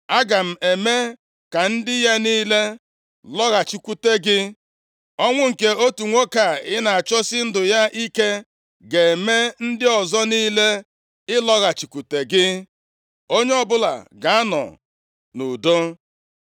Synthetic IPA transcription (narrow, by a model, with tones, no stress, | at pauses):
a˦ɡa˨m̩˨e˨me˦ | ka˨n̩˦dɪ˦ja˦niː˦le˦ | lɔ˦ɣa˨t͡ʃi˨kʷu˨te˦ɡɪ˦ | ɔ˦ŋʷʊ˦ŋ̩˨ke˦o˦tu˨ŋʷo˦ka˨ɪ˦na˨a˨t͡ʃɔ˦sɪ˦n̩˦dʊ˨ja˦ʔi˦ke˦ | ɡe˨e˨me˦n̩˦dɪ˦ɔ˨zɔ˦niː˦le˦ | ɪ˦lɔ˦ɣa˨t͡ʃi˨kʷu˨te˨ɡɪ˦ | o˦ɲe˦ɔ˦bʊ˦la̰˨ɡa˨a˦nɔ̰˨ | nu˨do˦